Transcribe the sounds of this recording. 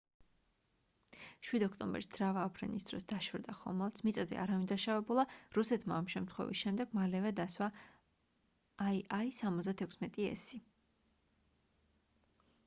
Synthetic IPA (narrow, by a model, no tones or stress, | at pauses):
ʃwid̪ɔkʰt̪ʼɔmbɛ̰ɾsd̪z̥ɾavaːpʰɾɛ̰nisd̪̥ɾɔsd̪̥aʃɾd̪aχɔ̰mɛlˠt̪sʰmit̪sʼazɛ̰ʔa̰ɾavind̪aʃavɛbulˠaɾusɛt̪ʰmaːmʃɛmt̪ʰχwɛ̰vḭsʃɛmd̪ɛɡ̥malɛvɛd̪aswa | aisamɔzd̪at̪ʰɛkʷʰsmɛt̪ʼiɛ̰si